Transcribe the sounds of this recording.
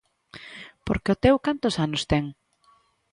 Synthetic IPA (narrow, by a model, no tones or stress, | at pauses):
poɾkeʊt̪ewkant̪ʊsanʊst̪ɛŋ